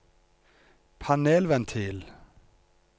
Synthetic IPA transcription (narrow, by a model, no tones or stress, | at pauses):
pʰɑneːlʋɛnt̪ʰɪl